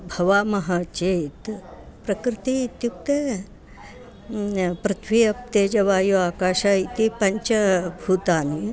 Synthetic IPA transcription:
bʱɐʋaːmɐɦaːt͡ʃet̪ | pɾɐkɾit̪it̪juk̚t̪e | pɾɨt̪ʰʋiːɐp̚t̪ed͡ʒɐʋaːjuaːkaːʃait̪ipɐɲt͡ʃɐbʱuːt̪aːni

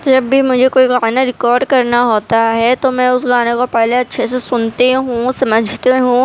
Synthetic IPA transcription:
d͡ʒɐbʱːimʊd͡ʒʱekoːiɡaːnaɾɪkɔːɾɖkɐɾnaɦoːt̪aɦɛt̪omɛ̃ʊsɡaːnekopɛɦleɐtːʃʰesesʊnt̪eɦũsɐməd͡ʒʱt̪eɦũː

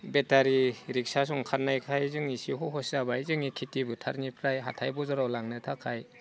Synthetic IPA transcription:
betaɾiɾik̚sas̬ɔŋkʰaɾnajkʰajzɯŋisiɦɔɦɔsabajzɯŋikʰitibɯtʰaɾnipʰɾajɦa̰tʰajbɔzaɾawlaŋnɯtʰakʰaj

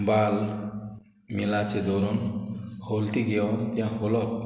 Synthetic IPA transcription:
bal | milat͡ʃed̪oɾɔnholt̪iɡeont̪jãɦolɔk̪̚

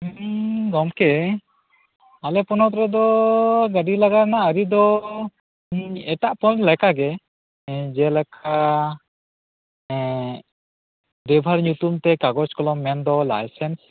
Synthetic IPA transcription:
ɡɔmkɛ | alɛpɔnɔt̪ɾɛd̪ɔɡaɖilaɡaɾnaəɾid̪ɔ | ɛʈaʔpɔnlɛkaɡɛ | d͡ʒɛlɛkʰa | ɖɛbʱaɾɲut̪umt̪ɛkaɡɔskɔlɔmːɛnd̪ɔla̰jsɛns

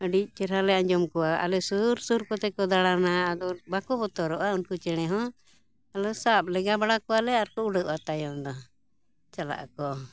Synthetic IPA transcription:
əɖic̚ˀt͡ʃɛɾalɛãɲd͡ʒɔmkɔwaa̰lɛsuɾsuɾkɔt̪ɛkɔd̪aɽanaːd̪ɔbakɔbɔt̪ɔɾɔʔaunkut͡ʃɛɽ̃ɛɦɔ̃ | alɔsap̚lɛɡabaɽakɔwalɛaɾkɔuɖəʔat̪ajɔnd̪ɔ | t͡ʃala̰ʔa̰kɔ

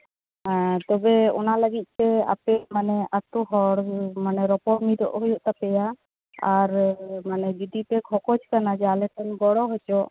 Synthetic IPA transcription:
at̪ɔbɛɔ̰nalaɡit̪̚ˀsɛa̰pɛmanɛat̪uɦɔɽmanɛɾɔpɔɾmid̪ɔ̰ʔhɔjɔʔt̪apɛja | aɾmanɛd͡ʒɔd̪ipɛkʰɔkɔd͡ʒkanad͡ʒalɛtʰɛnɡɔɽɔɦɔjt͡ʃɔ

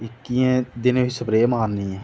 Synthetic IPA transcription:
ɪkːijẽːd̪ɪnʋɪsəpɾeːmaːnːĩːɛ̃ː

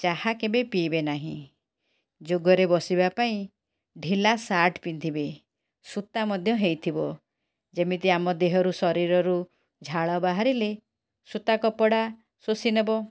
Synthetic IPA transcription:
t͡ʃaɦakebepibenaɦĩ | d͡ʒoɡɔɾebɔsibapaĩ | ɖʱilasaɾʈpind̪ʱibe | sut̪amɔd̪ʱjɔɦejt̪ʰibɔ | d͡ʒemit̪iamɔd̪eɦɔɾusɔɾiɾɔɾu | d͡ʒʱaɭɔbaɦaɾile | sut̪akɔpɔɽa | sosinebɔ

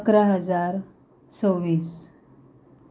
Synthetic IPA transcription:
əkɾaɦəd͡zaɾ | t͡səwʋiːs

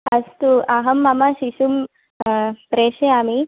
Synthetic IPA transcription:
ɐst̪uʔaɦəmːamaɕisum | pɾeɕeami

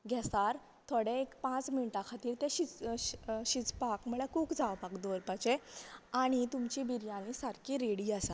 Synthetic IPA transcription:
ɡʱɛsaɾ | t̪ʰoɽẽekpãt͡sminiʈakʰat̪iːɾt̪ẽɕi | ɕit͡spakmuɭekʰuːkd͡zaʋpakd̪əɾpat͡ɕeaɽ̃it̪umt͡ɕibiɾjãlĩsaɾkiɾeɽiasa

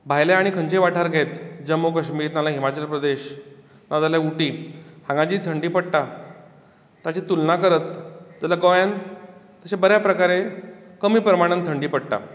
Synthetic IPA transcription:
bʱajleaɽ̃ikʰə̃ɲt͡ɕeʋaʈʰaɾɡʱet̪d͡ʑəmːokəɕmiːɾnalaɦimat͡ɕəlpɾəd̪eɕ | nɔd͡zaljauʈiːhãŋɡat͡ɕiːt̪ʰəɳɖiːpəɽʈa | t̪at͡ɕit̪ulnakəɾət̪d͡zəlaɡəʋjãn | t̪əɕebəɾjapɾəkaɾekəmiːpɾəmaɽ̃ənt̪ʰəɳɖiːpəɽʈa̰

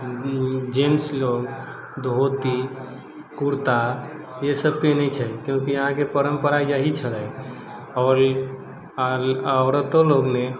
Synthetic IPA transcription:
d͡ʒensloɡ | d̪ʱot̪i | kuɾt̪a | jesəb̚kenɛjt͡ʃʰɛkjũkiəɦãkepəɾəmpəɾaid͡ʒaɦit͡ʃʰəlɛ | ɔːɾ | əɾət̪oloɡne

